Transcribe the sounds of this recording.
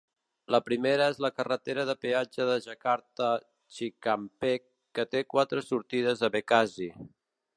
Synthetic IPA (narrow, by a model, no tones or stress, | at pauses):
ləpɾimeɾəezləkərət̪eɾəðəpead͡ʒəðəʒəkaɾt̪ə | t͡ʃikampekːət̪ekwat̪ɾəsuɾt̪iðəzəβekazi